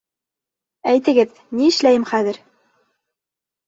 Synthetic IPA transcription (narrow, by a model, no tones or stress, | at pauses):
æjt̪ɘ̆ɡɘð | niɘ̆ʃlæjɘmχæðɘɾ